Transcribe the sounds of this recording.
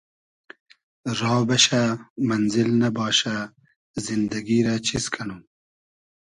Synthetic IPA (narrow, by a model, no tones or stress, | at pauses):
ɾɑːbɐɕamɐnzilnɐbɑːɕa | zind̪ɐɡiɾat͡ɕʰiskʰɐnuː